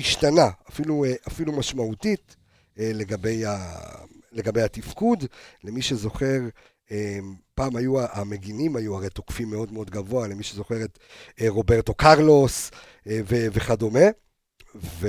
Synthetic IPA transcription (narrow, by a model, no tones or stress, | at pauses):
iʃtanaafilueʔafilumaʃmautit | ele̞ɡabe̞ja | le̞ɡabejhatifkudle̞miʃe̞zo̞χe̞ʁ | epaːmajuaʔame̞ɡinimajuaʁejtokfimːeo̞dmeo̞dɡavo̞ale̞miʃezo̞χe̞ʁetʁo̞be̞ʁto̞kaʁlo̞s | veveχado̞me̞ | ve